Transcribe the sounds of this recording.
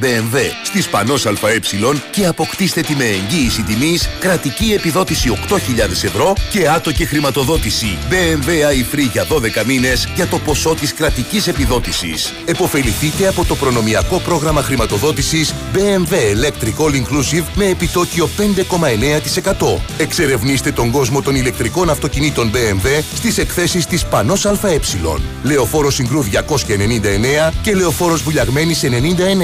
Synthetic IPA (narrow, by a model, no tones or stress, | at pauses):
beːnve̞st̪ispɐno̞sɐlfɐe̞psilo̞nce̞ɐpo̞kt̪ist̪et̪ime̞ːɲɟiːsit̪imiskɾɐt̪icie̞piðo̞t̪isio̞kt̪o̞çiʎɐðe̞se̞vɾo̞ce̞ɐt̪o̞cexɾimɐt̪o̞ðo̞t̪isibe̞enve̞ɐifɾiʝɐðo̞ðe̞kɐmine̞zʝɐt̪o̞po̞so̞t̪iskɾɐt̪icise̞piðo̞t̪isḭs | e̞po̞fe̞liθit̪e̞ɐpo̞t̪o̞pɾo̞no̞miɐko̞pɾo̞ɣɾɐmɐxɾimɐt̪o̞ðo̞t̪isis | be̞eɱve̞ːle̞kt̪ɾiko̞liŋklusivme̞ːpit̪o̞cio̞pe̞nd̪e̞ko̞mɐe̞ne̞ɐt̪i̥se̞kɐt̪o̞e̞kse̞ɾe̞vnist̪e̞t̪o̞ŋɡo̞zmo̞t̪o̞nile̞k̚t̪ɾiko̞nɐft̪o̞cinit̪o̞nbe̞eɱve̞st̪ise̞kθe̞sist̪ispɐno̞sɐlfɐe̞psilo̞̰nle̞o̞fo̞ɾo̞siŋɡɾuðʝɐko̞sçɐe̞ne̞nind̪ɐe̞ne̞ɐce̞le̞o̞fo̞ɾo̞zvuʎɐɣme̞nise̞ne̞nind̪ɐe̞ne